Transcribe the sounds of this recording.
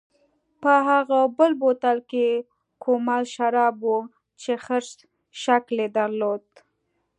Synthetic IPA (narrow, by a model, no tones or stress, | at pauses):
pəɦaɣabəlbot̪alke | kʰomalʃaɾɑbwu | t͡ʃexəɾʃ | ʃakled̪aɾlod̪̚